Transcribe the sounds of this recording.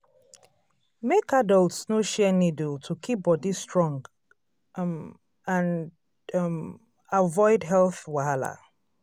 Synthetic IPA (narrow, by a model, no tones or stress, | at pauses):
mekadəlˠtsnoʃɛnidəltʰukʰip̚bɔdistɹɔ̃ŋɡ | ãn | m | avɔɪdɦɛlθwala̰